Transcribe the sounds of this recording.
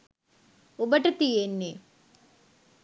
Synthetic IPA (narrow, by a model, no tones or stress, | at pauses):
obəʈət̪ijenːe